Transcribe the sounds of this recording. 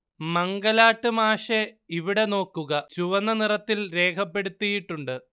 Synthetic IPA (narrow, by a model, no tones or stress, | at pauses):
mɐŋɡɐlaːʈːɨmaːʂe̞iʋiɽe̞no̞ːkːuɣɐt͡ɕuʋɐnːɐnirɐt̪ːilɾe̞ːkʰɐpːe̞ɽut̪ːijiʈːuɳɖɨ